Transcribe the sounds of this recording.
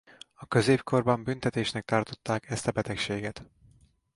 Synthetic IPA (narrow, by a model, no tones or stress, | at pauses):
ɒkø̞zeːpkʰo̞rbɒmbynt̪ɛt̪eːʃnɛk̚t̪ɒrt̪ot̪ːaːkɛst̪ɒbɛt̪ɛkʃeːɡɛt̪